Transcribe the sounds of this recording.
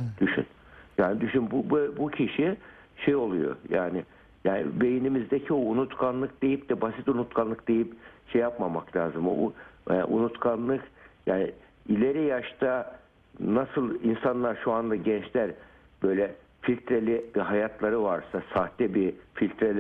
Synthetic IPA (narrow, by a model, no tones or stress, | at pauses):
d̪̥yʃy̰n | jaːnd̪yʃynbubøbucʰiʃi | ʃejo̞lˠujo̰jaːnɪ | jaːnɪ̰be̞jinimizd̪ecʰio̞unut̪kʰanlˠɯk̚d̪e̞jip̚d̪̥ɛbasit̪unut̪kʰanlˠɯk̚d̪e̞jipʃejːapmamaklʲaːzɯmo̰ʔṵnut̪kʰanlˠɯkjaːnɪ | ilʲe̞ɾijaʃt̪ʰa | nasɯlˠinsanlˠaɾʃuand̪aɟɛnt͡ʃlʲæɾ | b̥ø̞jlʲɛ | filʲt̪ɾelʲibiɦajat̪ʰlˠaɾɯvaɾsasaht̪ɛbifilʲt̪ɾelʲ